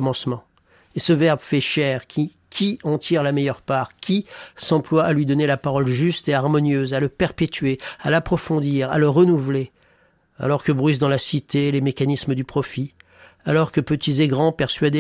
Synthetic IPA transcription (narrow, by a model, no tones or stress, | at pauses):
mɑ̃smɑ̃ | esəvɛʁbfɛʃɛʁkʲi | kʲʰiɑ̃t̪iʁlamɛjœʁpaʁkʲʰisɑ̃plwaʔalɥid̪ɔnelapaʁɔlʒyst̪eaʁmɔnjøzaləpɛʁpet̪ɥealapχɔfɔ̃d̪iʁa̰ləʁənuvle | a̰lɔʁkəbʁyz̬d̪ɑ̃lasit̪elemekanisməd̪ypχɔfi | a̰lɔʁkəpət̪ʰizeɡʁɑ̃pɛʁsɥad̪e